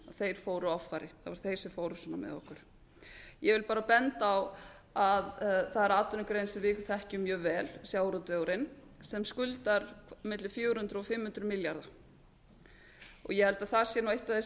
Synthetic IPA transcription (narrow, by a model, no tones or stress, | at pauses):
aθejɾ̥foːwɾʏɔffajɾɪθavaɾ̥θejsɪfoːwɾʏsɔna̰mɛ̰ðɔ̰hkʏɾ̥ | jɛvɪlpaːɾapɛnt̪aaw | aðθaðɛɾaːt̪ʏnɪkɾejnsɪvɪkʏ̥θɛhcʏmjœːɣvɛːlsjaːwɾɔt̪veawɾɪn | sɛmskʏlt̪aɾmɪt̪lʏfjoːwɾhʏnt̪ɾʏɔfɪmːhʏnt̪ɾʏmɪljaɾða | ɔ̰ɣjɛhɛlt̪aðθasjɛnawejht̪aθes